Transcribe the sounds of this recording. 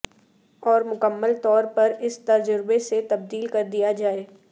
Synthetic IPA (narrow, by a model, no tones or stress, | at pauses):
ɔːɾmʊkəmːəlt̪ɔːɾpɐɾɪst̪ɐd͡ʒʊɾbeset̪ɐb̚d̪iːlkɐɾd̪ijad͡ʒaːeː